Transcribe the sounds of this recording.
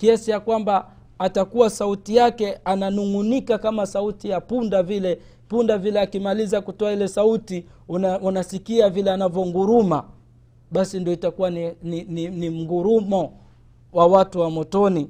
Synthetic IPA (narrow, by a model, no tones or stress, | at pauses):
kiasijakwambaː | takuwasautijakɛananuŋunikakamasautijapundavilɛ | pundavilɛakimalizakutɔailɛsautiunasikiavilɛanavjɔŋɡuɾuma | ɓasindiɔitakuwannininim̩ɡuɾumɔ | wawatuwamɔtɔni